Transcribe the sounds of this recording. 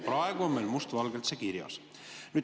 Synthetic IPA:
pɾɑeɡ̥uonmejlmust̪vɑlɡelt̪sekiɾjɑ̰s | nyː

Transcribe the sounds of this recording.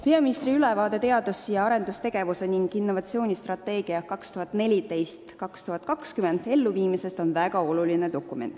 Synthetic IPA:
peɑminist̪riylɛvɑːd̪̥e̞t̪e̞ɑd̪usːijɑɑɾe̞nd̪ust̪e̞ɡ̥e̞vuse̞niŋɡ̥inːo̞vɑt̪sio̞ːnʲist̪rɑt̪ːe̞ːɡ̥iɑkɑkst̪uhɑt̪ːne̞lʲit̪e̞jst̪kɑkst̪uhɑt̪kɑkskyme̞nd̪e̞lːuviːmise̞st̪o̞nvæɡ̥ɑo̞lulined̪o̞kːument̪ːˑ

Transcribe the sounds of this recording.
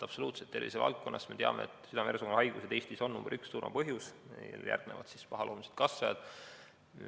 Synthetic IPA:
ɑpso̞luːt̪set̪ːe̞rvisevɑ̰lt̪̚ko̞nːɑsme̞t̪eɑmḛḛt̪ˑsyd̪ɑmersokonhɑjɡ̥used̪eːsʲt̪iso̞nːumbeɾʔykssuːrmɑ̰pɤɦjusljæ̰rɡ̥̚ne̞̰vɑ̰t̪sispɑɦɑlʔoːmise̥d̪̥kɑsːɑjɑd̪̥

